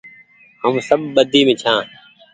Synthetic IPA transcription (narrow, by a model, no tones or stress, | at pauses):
ɦəmsəɓɓəd̪ʱiːmẽːt͡ʃʰãː